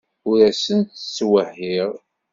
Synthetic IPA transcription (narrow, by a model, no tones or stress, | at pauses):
ʊɾæsənt̪t͡sːwəhːiʁ